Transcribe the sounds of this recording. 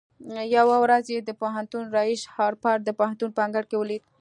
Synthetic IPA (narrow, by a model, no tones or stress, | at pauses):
jawawɾazjed̪əpoɦant̪unɾɑiʃhɑɾpɑɾd̪əpohant̪unpəaŋɡaɽkewəlid̪̚